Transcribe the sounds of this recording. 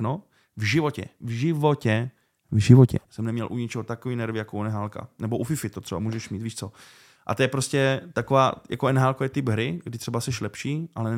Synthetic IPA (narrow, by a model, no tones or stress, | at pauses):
no | vʒɪvo̞cɛ̰vʒɪvocɛ | vʒɪvocɛ̰sɛmnɛmɲɛlʔuɲɪt͡ʃɛɦot̪akoviːnɛɾvɪjakounɛɦaːlka̰nɛboʔufɪfɪt̪ot̪r̥ɛba̰muːʒɛʃmiːt̪viːʃt͡so̞ | ʔa̰t̪ojɛpɾo̞scɛt̪akovaːja̰koʔɛnɦaːlkojɛt̪ɪpɦɾɪɡdɪt̪r̝̥ɛbasɛʃlɛpʃiːʔalɛ